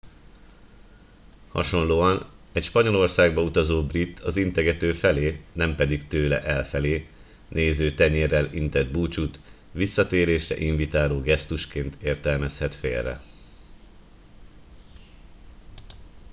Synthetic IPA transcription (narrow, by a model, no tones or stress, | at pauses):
hɒ̰ʃo̞nloːɒnɛcʃpɒɲo̞lo̞rsaːɡbɒut̪ɒzoːbrit̪ːʰɒzint̪ɛɡɛt̪øːfɛleːnɛmpɛd̪ikt̪øːlɛ̰ʔɛlfɛleː | nʔeːzøːt̪ɛɲeːrːɛlint̪ɛd̪̚buːt͡ʃut̪ | ʋisːɒt̪eːɾeːʃrɛ̰ʔiɱvit̪aːloːɡɛst̪uʃkeːnt̪ʰeːrt̪ɛlmɛshɛt̪fḛːlrːɛ̰